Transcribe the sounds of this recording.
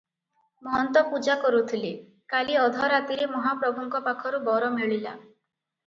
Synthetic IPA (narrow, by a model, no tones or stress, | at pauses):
mɔɦɔnt̪ɔpud͡ʒakɔɾut̪ʰile | kaliɔd̪ʱɔɾat̪iɾemɔɦapɾɔbʱuŋkɔpakʰɔɾubɔɾɔmeɭila̰